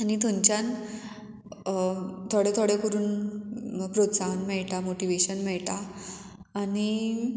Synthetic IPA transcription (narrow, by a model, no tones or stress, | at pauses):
anit̪ʰõɲt͡ɕjan | t̪ʰoɽet̪ʰoɽekəɾuːn | pɾot̪saɦnmɛɭʈamoʈiʋeɕənmɛɭʈaː | ni